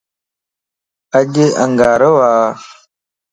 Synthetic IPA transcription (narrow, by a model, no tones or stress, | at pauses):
ad͡ʒeʔaŋɡaɾəwa